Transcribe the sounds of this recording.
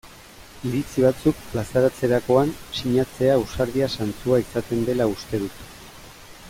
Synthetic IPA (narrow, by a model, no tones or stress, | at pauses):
iɾit͡siβ̞at͡suk̚plasaɾat͡se̞ɾako̞ansiɲat͡se̞ausaɾðiasant͡suaisat̪e̞nd̪e̞laust̪e̞ðut̪